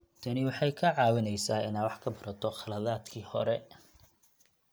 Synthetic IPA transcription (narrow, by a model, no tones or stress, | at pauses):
t̪ʰɐnɪwɑħɑjkʰɐʕɑːwɐnɛjsaːɪnaːwɑħkʰɐbɐɾɐt̪ʰɔχɐlɐðaːd̪kʰiːhɔ̰ɾɛ